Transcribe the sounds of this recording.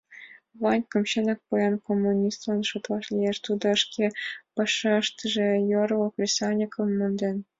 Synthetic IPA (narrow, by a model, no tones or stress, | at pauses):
ʋɑnʲkɤ̆mɕɤ̆nɤ̆k̚pujɑnkomːunʲist̪lɑnʃut̪lˠɑʃlʲijeʃt̪ud̪ɤ̆ə̆ʃkʲʰepɤ̆ʃɤ̆ɤ̆ʃt̪ɤ̆ʒĕjoɾokrʲisɑnʲikʰɤ̆mːɤnd̪ʲen